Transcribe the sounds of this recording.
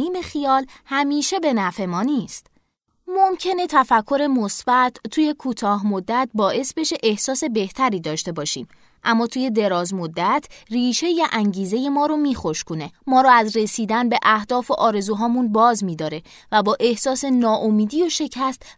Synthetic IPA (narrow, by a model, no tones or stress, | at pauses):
iːme̞xijɒːlhæmiːʃe̞be̞næfe̞mɒːniːst̪ | momcʰe̞ne̞t̪ʰæfækʰːoɾe̞mosb̥æt̪ʰt̪ʰːuːje̞kʰuːt̪ʰɒːɦmod̪ːæt̪̚bɒːʔe̞sbe̞ʃe̞ʔe̞hsɒːse̞be̞ht̪ʰæɾiːd̪ɒːʃt̪e̞bɒːʃḭːm | ʔæmːɒːt̪ʰuːje̞d̪e̞ɾɒːzmo̞d̪ːæt̪ʰriːʃe̞jæʔæŋɟiːze̞je̞mɒːɾomiːxoʃkʰone̞mɒːɾɔːæzre̞siːd̪ænbe̞ʔæhd̪ɒːfoʔɒːɾe̞zuːɦɒːmunbɒːzmiːd̪ɒːɾe̞ | væbɒːʔe̞hsɒːse̞nɒːʔomiːd̪iːjoʃe̞cʰæst̪